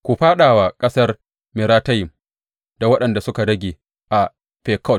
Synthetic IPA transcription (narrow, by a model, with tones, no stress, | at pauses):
kʷu˨ɸaː˦ɗaː˨waː˨kʼɐ˦sɐ˦r | mɪ˨ɾaː˦tɐ˦jɪ˨m | d̥a˨wɐ˦ɗɐ˨nda˨sʊ˦ka˨ɽɐ˦ɡʲeː˨ | ʔa˨ | ɸɛː˨kɔ˦˨